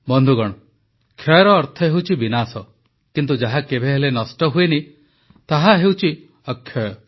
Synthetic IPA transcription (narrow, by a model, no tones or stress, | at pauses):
bɔnd̪ʱuɡɔɽ̃ɔ | kʰjɔjɾɔːɾt̪ʰɔɦewt͡ʃʰibinasɔ | kint̪̬ud͡ʒaɦakebʱeɦelenɔsʈɔɦueni | t̪aɦaɦewt͡ʃʰi | ɔkʰːjɔjɔ